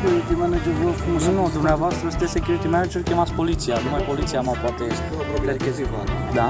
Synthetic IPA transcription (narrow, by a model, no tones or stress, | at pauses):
kʲuɾit̪imɛned͡ʒeɾvokumnunod̪umneavoast̪ɾəst̪esekʲjuɾit̪imɛned͡ʒeɾkʲemat̪spolit̪sijanumajpolit̪sijamapat̪est̪d̪ekeziv | d̪a